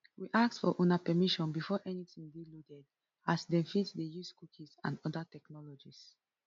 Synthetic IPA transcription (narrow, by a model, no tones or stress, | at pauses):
wiʔak̚tfɔ̰ʔunapɛmiʃɔ̃nbifɔʔɛnitĩŋdiludɛd | asdɛ̃nfitdejuskukʰisã̰ndɔdatɛknɔlɔd͡ʒis